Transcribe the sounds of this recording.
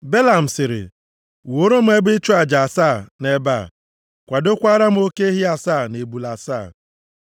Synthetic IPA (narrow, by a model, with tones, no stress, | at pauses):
be˦la˨m̩˨sɪ˨ɾɪ̰˨ | wo˦ɾo˦m̩˦e˦bɪ˦t͡ʃu˦a˨d͡ʒa˨saː˦˨ne˨ba̰˦˨ | kʷa˨do˦kʷa˦ɾa˦m̩˦o˦ke˦ɦi˦a˨saː˦˨ne˨bu˨la˨sa˦˨